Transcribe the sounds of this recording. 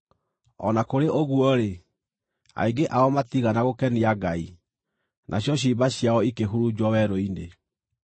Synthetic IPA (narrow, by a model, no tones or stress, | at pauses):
ɔ̰nakoɾeʔoɣwɔɾe | a̰iɡeʔaɔmatiɣanaɣokɛniaɡai | nʔaɕjɔɕ̬ibaɕijaɔikeɦuɾud͡ʑwɔwɛɾoine